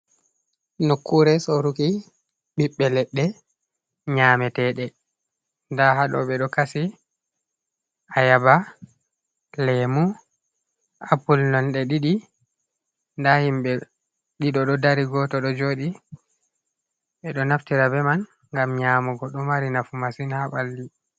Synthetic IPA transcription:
nokːuɾɛsoɾuki | ɓiɓːɛlɛɗːɛ | ɲamɛtɛɗɛ | ndaɦaɗɔ̰ɓɛɗɔkasi | ʔajaba | lɛmu | a̰pulnɔnɗɛɗiɗi | ndahimɓɛ | ɗiɗɔɗɔdaɾiɡɔtɔɗɔd͡ʒoːɗi | ɓɛɗɔnaftiɾabɛman | ŋɡamɲaːmɔɡɔɗɔmaɾinafumasinhaɓalːi

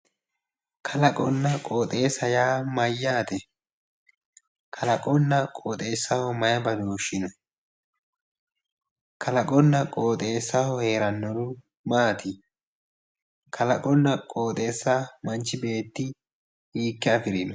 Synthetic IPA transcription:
kʰɐlɐkʼɔnːɐkʼoːt̪ʼe̞ːsːɐjaːmɐjːaːt̪ɛ | kʰɐlɐkʼɔnːɐkʼoːt̪ʼe̞ːsːɐhɔmɐjɐbɐd̪oːʃɪnɔ | kʰɐlɐkʼɔnːɐkʼo̞ːt̪ʼe̞ːsːɐhɔhe̞ːɾɐnːɔɾʊ | maːt̪ɪ | kʰɐlɐkʼɔnːɐkʼoːt̪ʼe̞ːsːamɐnt͡ʃːɪbe̞ːt̪ːɪ | hiːkːɛɐfɪɾinɔ

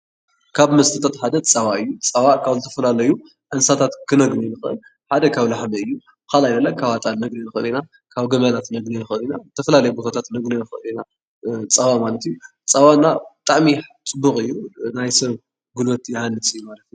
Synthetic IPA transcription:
kʰaβmɐst̪ʰɐt̪ʰat̪ħad̪ɐt͡sʼawaɨjːut͡sʼawakʰaβzɨt̪ʰɐ̥fɐlalɐju | ʔɨnsat̪ʰat̪kʰɨnɐɡninɨxɨʔɨ̰l | ħad̪ɐkʰaβlaħmɐɨjːu | bɨxalajd̪ɐlːakʰaβat̪ʼalnɐɡlɐnɨxɨlina | kʰaβɡɐmɐlat̪nɐɡnɐnɨxɨɨlinazɨt̪ʰɐfɐlalɐjbo̞t̪ʰat̪ʰat̪nɐɡlɐnɨxɨʔɨlina | t͡sʼawamalɐt̪iju | t͡sʼawanːabɨt̪ʼaʕmit͡sʼɨbːukʼɨjːunajsɐβ | ɡɨlwot̪jɪhanːɨsʼɨjːumalɐt̪ju

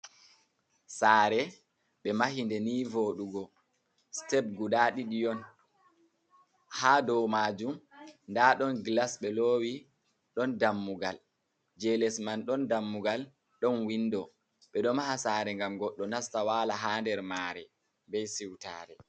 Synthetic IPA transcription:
saːɾɛ | ɓɛmahindɛniːvoːɗuɡɔ | stɛb̚ɡuɗaɗiɗijɔn | haːdɔmaːd͡ʒumndaːɗɔnɡlasɓɛloːwi | ɗɔndamːuɡal | d͡ʒɛlɛsmanɗɔndamːuɡal | ɗɔnwindɔ | ɓɛɗɔmahasaːɾɛŋɡamɡɔɗːɔnastawaːlaɦaːndɛɾmaːɾɛ̰ | bɛjsiwta̰ːɾɛ

